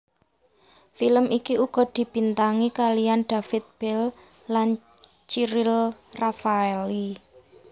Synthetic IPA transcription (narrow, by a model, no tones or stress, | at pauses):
filəmʔikiuɡ̥ɔ̤d̪̥i̤b̥i̤nt̪aŋikalijanɖ̪̥a̤fɪt̪̚b̥ɛlːan | t͡ʃiɾɪlrafaeli